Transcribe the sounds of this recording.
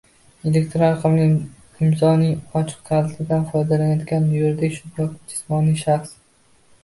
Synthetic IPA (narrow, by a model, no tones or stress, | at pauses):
elek̚ʲt̪ɾõnqʰɨmnɪ | ɪmzɒnɪŋɒt͡ʃʰɨ̥q̚t̪ʰaɾɪt̪ɪd̪anfɒjd̪alanjɒt̪ɡʲanmʊjoɾd̪ekʲʃʊd̪ɒkd͡ʒɪ̥smɒniʃaχs